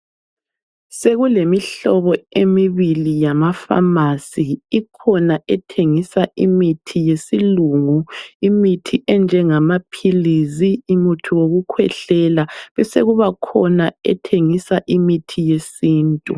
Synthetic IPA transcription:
seɣulemiɬɔβɔemiβilijamafa̰masiːkʰɔnaʔɛtʰeŋisaʔimitʰijesiluŋuimitʰiʔɛnd͡ʒʱɛŋamapʰiliziːmutʰuwoɣukʰwɛ̰ɬɛlaβɛsḛɣuβakʰɔnaɛ̰tʰeŋisaʔimitʰijesiːntʼu

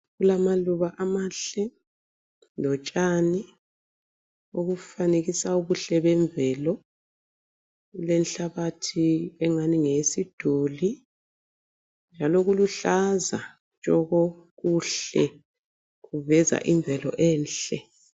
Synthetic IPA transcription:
ɣulamaluβaʔamaɬɛ | lɔt͡ʃʼani | oɣufaneɣisauβuɬɛβɛɱbvɛːlɔ | lɛnɬaβatʰiɛŋaniŋesid̥ʱuli | nd͡ʒʱalɔɣuluɬaza | t͡ʃʼɔɣɔɣuɬɛ | ɣuvɛza̰ʔiɱbvʱɛlɔ̰ʔɛːnɬɛ

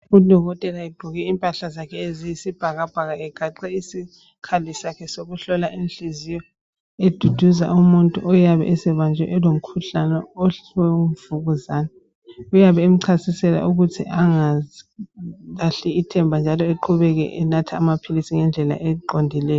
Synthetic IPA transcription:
ud̥ʱɔɣɔtʼɛlaiɡ͡ǃʱuɣɛimpʼaɬazakʰɛezijisib̥ʱaɣab̥ʱaɣaɛɡ̥ʱaǀɛisi | kʰalisakʰɛsoɣuɬɔlaʔinɬizijɔ | ed̥ʱud̥ʱuza̰ʔumuntʼuʔɔjaβɛ̰ʔɛsɛβand͡ʒʱwɛ̰ʔɛlom̩kʰuɬanɛɔwɛmv̥uɣuzaːnɛ | ujaβɛem̩ǀʰasisɛla̰ʔuɣutʰiʔaŋa | aɬiitʰɛmbʱand͡ʒʱalɔeǃʰuβɛɣɛ̰ʔɛnatʰaːmapʰilisiŋɛnd͡ɮʱɛla̰ʔɛǃondʱilɛːjɔ

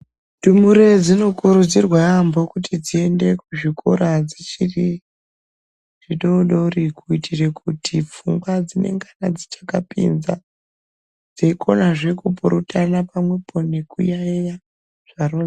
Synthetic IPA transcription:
dumuɾed͡zino̞kuɾud͡zirwaambo̞kutʰid͡zie̞nde̞kuʐikʰoɾad͡zit͡ʃiri | ʐiɗoɗorikuitʰire̞kutʰip͡fuŋɡwad͡zine̞̰ŋɡanad͡zit͡ʃḁkapḭnza̰ | d͡zeikʰo̞naʐe̞kupuɾutanapamwe̞pʰo̞nekujaeja | ʐ̥aro

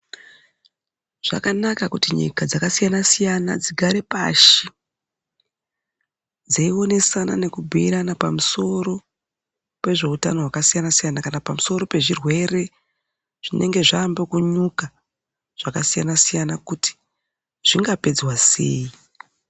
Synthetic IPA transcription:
ʐ̥a̰kanakakutiɲḭkad͡zakasijanasijana̰d͡ziɡʱaɾepa̰ʃi | d͡zaio̞ne̞sana̰ne̞kubʱiiɾanapamuso̞ɾo̞ | pe̞ʐe̞utano̞ɦwakasijanasijanakanapamuso̞ɾo̞pe̞ʐirwe̞re̞ | ʐ̥ine̞ŋɡe̞ʐaːmbekuɲuka | ʐ̥akasija̰nasijanakuti̥ | ʐ̥iŋɡape̞d͡zwasḛji

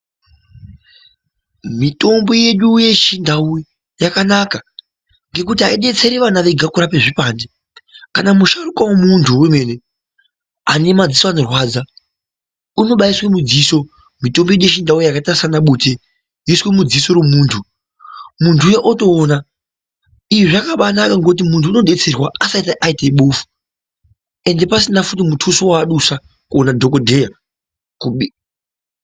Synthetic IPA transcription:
mito̞mbo̞je̞ɗuje̞ʃindau | jakanaka | ŋɡe̞kutiaiɗe̞t͡se̞ɾeʋanaʋe̞ɡʱakuɾapeʐipaːndi | kanamuʃarukwawomuntʰuweme̞ːne̞ | anemad͡zisoano̞rwaːd͡za | uno̞ɓaiswe̞mud͡ziːso̞ | mito̞mbiɗeʃindaojakatasanaɓuːte | jiswemud͡ziso̞ɾwemuːntʰu | muntʰujeʔoto̞ːna | iiʐakaɓanakaŋɡo̞t̬imuntʰuːno̞ɗe̞t͡se̞rwaasaitaʔaiteɓoːfu̥ | e̞nde̞pasinafut̬imutʰusowaɗusa | kuonadʱo̞kodʱeja | kuɓi

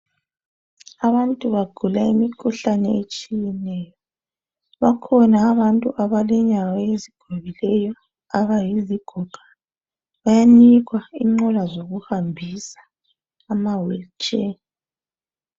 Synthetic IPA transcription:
aβantʼuβaɡ̥ʱulaimikʰuɬanɛet͡ʃʼijɛnɛjɔ | βakʰɔnaːβantʼuʔaβalɛɲawaeziɡ̥ʱoβilɛjɔ | aβajiziɡ̥ʱɔɡ̥ʱḁ | βajaniɣwaiŋ͡ǃɔlazoɣuhambʱisḁː | mawɛt͡ʃʼe

